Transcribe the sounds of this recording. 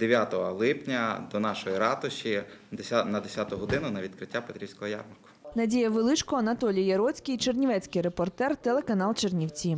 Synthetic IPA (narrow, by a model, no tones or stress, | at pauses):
d̪eʋʲjat̪ɔɦɔlˠɪpnʲɐd̪ɔnɑʃɔjiɾɑt̪ʊʃʲi | nɐd̪esʲat̪ʊɦɔd̪ɪnʊnɐʋʲid̪kɾɪtʲːapet̪ɾʲiwsʲkɔɦɔja̰rmɐkʊ̥nɐdʲijɐʋelˠɪt͡ʃkɔɔɐnɐt̪ɔlʲijjɐɾɔt͡sʲkʲijt͡ʃernʲiʋɛt͡sʲkɪjɾepɔrt̪ɛrt̪elˠekɐnɑlˠt͡ʃernʲiwt͡sʲi